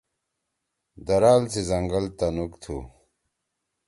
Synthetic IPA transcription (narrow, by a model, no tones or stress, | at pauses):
d̪ɐɾaːlt͡sizɐŋɡɐlt̪ɐnukt̪ʰu